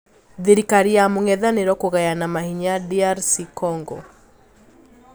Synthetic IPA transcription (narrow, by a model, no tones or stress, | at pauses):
ðeɾikaɾiamoŋɛðaneɾɔkoɣajanamahiɲadiaɾsikɔŋɡɔ̰